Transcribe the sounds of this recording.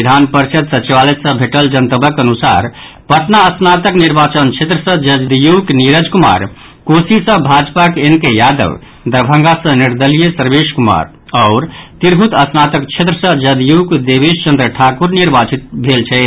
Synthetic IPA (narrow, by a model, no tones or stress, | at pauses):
d̪ʱanpəɾt͡ʃəd̪sət͡ʃiʋalet̪sə̃bʱeʈəld͡ʒənt̪əbəkənusa̰ɾ | pəʈ̪naəsnat̪əkniɾbat͡ʃənt͡ʃʰet̪ɾəsə̃d͡ʒəd̪d̪jukniɾəd͡ʒkuma̰ɾ | kosisə̃bʱad͡ʒpakenkejad̪ə̰ʋ | d̪əɾbʱə̃ŋɡasə̃niɾd̪əlijesəɾbeʃkuma̰ɾ | ɔʊɾt̪iɾɡʱut̪əsnat̪əkt͡ʃʰet̪ɾəsə̃d͡ʒəd̪jukd̪ebest͡ʃənd̪ɾəʈʰakuɾniɾbat͡ʃit̪̚bʱelt͡ʃʰɛ